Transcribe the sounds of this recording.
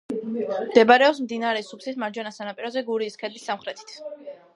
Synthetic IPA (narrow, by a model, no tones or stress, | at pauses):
md̪ɛbaɾɛɔpsmd̪inaɾɛsupsismaɾd͡ʒwɛnasanapʼiɾɔzɛɡuɾiːskʰɛd̪isːamχɾɛt̪ʰi̥t̪ʰ